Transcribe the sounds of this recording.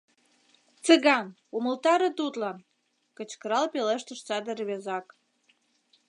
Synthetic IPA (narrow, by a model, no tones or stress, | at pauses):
t͡səɣɑn | uməlt̪ɑɾə̆t̪ut̪lɑn | kə̆t͡ɕkəɾɑlpeleʃt̪ə̆ʃt͡sɑd̪ə̆rβezɑk